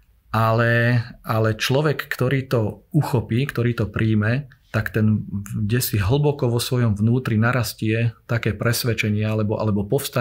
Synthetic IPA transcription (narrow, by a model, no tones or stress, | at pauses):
ʔalɛalɛt͡ʃlɔʋɛkːt̪ɔɾiːt̪ɔuxɔpiːkt̪ɔɾiːt̪ɔpɾʔiːmɛt̪akt̪ɛnɟɛsiɦl̩bɔkɔʋɔsʋɔjɔmʋnuːt̪ɾinaɾascɪɛt̪akɛːpɾɛsʋɛt͡ʃɛɲɪɛalɛbɔʔa̰lɛbɔpɔfst̪a